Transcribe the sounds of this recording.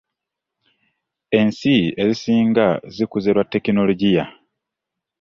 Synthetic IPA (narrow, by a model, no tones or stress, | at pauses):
e̞nsie̞zisiːŋɡazikuzeɾwatːe̞kino̞loɟija